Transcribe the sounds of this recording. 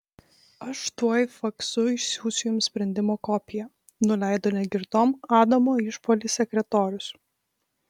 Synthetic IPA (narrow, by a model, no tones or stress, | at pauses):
ɐʃt̪uɔjfɐksʊɪʃsʲuːsʲɪjʊmsʲpʲɾʲɛnʲd̪ʲɪmoːkɔpʲɪjɛ | nʊlʲɛɪd̪oːnʲɛɡʲɪɾt̪oːmɑːd̪ɐmoːɪʃpoːlʲiːsʲɛkʲɾʲɛt̪ɔːɾʲʊs